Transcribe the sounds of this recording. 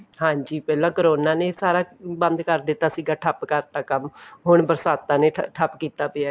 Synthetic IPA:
hãːɲd͡ʒiːpɛːlãːkəɾoːnãːneːsaːɾaːbənd̪kəɾd̪ɪt̪ːaːsiːɡaːʈʰəpkəɾt̪aːkəmɦʊɳbəɾsaːt̪ːãːneːʈʰəpkiːt̪aːpɪaː

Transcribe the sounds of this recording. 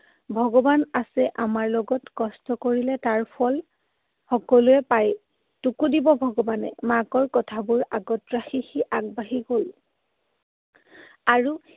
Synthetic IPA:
bʱɔɡɔbanasɛʔamaɹlɔɡɔtkɔstɔkoɹilɛtaɹpʰɔl | xɔkɔlʊɛpaj | tukudibɔbʱɔɡɔbanɛ̰makɔɹkɔtʰabʊɹaɡɔtɹaxixiʔaɡ̚baɦiɡol | aɹu

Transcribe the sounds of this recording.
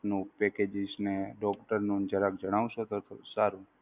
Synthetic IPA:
nũpɛked͡ʒɪsneɖɔkʈəɾnũnd͡ʒəɾəkd͡ʒəɽ̃aʋʃot̪ot̪osaɾu

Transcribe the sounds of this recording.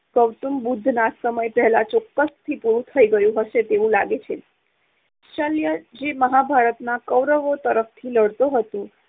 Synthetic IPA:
kəʋt̪umbud̪ʱːnasəməjpɛɦɛlat͡ʃɔkːəst̪ʰipuɾũt̪ʰəiɡəjũɦəʃet̪eʋũlaɡet͡ʃʰe | ʃəljəd͡ʒeməɦabʱaɾət̪nakəʋɾəʋot̪əɾəft̪ʰiləɽt̪oɦət̪ũ

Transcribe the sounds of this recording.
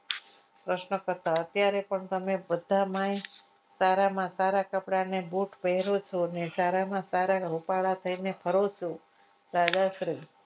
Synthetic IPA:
pɾəʃnəkəɾt̪aət̪jaɾepəɳt̪əmebəd̪ʱamãj | saɾamãsaɾakəpɽanebuʈpəɦɛɾot͡ʃʰonesaɾamãsaɾaɾupaɭat̪ʰəinepʰəɾot͡ʃʰo | d̪ad͡ʒaʃɾi

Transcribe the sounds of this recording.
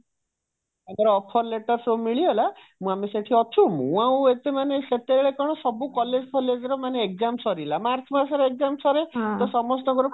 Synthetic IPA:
amɔɾɔɔpʰɔɾleʈɔɾsomiɭiɦela | mũameseʈʰiɔt͡ʃʰũmũaũet̪emaneset̪eɭekɔɽ̃ɔsɔbukɔled͡ʒkʰɔled͡ʒɔɾɔmaneekzamsɔɾilamaɾt͡ʃʰmasɔɾek̚zamsɔɾet̪ɔsɔmɔsʈɔɡɔɾɔ

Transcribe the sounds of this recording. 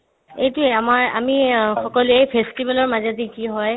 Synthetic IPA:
ejtʊeamaɹa̰mixɔkɔluejpʰestibalɔɹmazadikiɦɔj

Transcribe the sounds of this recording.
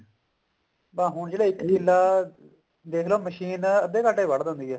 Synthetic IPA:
pãːɦʊɳd͡ʒeːɽaːɪkɦilːaː | d̪eːkʰloːməʃiːnəd̪ẽːkaːʈeːʋəɽd̪ə̃ːnd̪iːɛː

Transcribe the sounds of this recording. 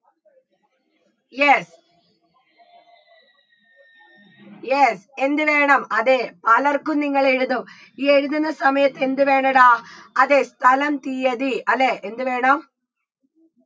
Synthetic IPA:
jes | jesɛnd̪ɯʋeːɳɐmɐðeːpɐlɐɾkɯniŋɡɐɭeɻɯðɯm | iːɛɻɯðɐnɐsɐmɐjɐt̪ːɛnd̪ɯʋeːɳɐɽaːɐðeːst̪ʰɐlɐmt̪ijɐðiʔɐlːeːʔend̪ɯʋeːɳam

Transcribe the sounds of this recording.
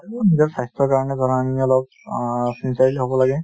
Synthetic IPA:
unizɔɹsajstɔkaɹɔnɛdʱɔɹaniɔlɔp̚ | sinsaɹliɦobɔlaɡɛ

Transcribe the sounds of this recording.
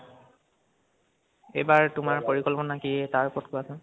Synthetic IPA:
ejbaɹtʊmaɹpoɹikɔlpɔnakiɛtaɹpɔtkoasɔ̃

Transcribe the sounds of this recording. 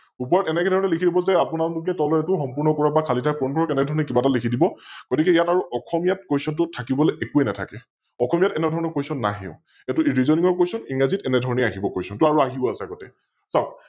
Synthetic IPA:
upɔɹɔtɛnɛkɛdʱɔɹɔnɛlikʰidibɔzɛapunatʊkɛtɔlɔɛtʊxɔmpuɹnɔkɔɹabakʰalitʰakpɔnkɔɹɔkɛnɛdʱɔɹɔnɛkibatalikʰidibɔɡ̥ɔtikɛjataɹuʔɔxʰɔmijat̚kojsɔntʊtʰakibɔlɛekuɛnɛtʰa̰kɛ | ɔkʰɔmijatɛnɛdʱɔɹɔnɔkojsɔnːa̰ɦḭʊ̰̃ | jatʊiɹizɔnĩŋɔɹkojsɔniŋazitɛnɛdʱɔɹɔnɛaɦibɔkojsɔntʊaɹuaɦibɔasɛaɡɔtɛ | saʊ

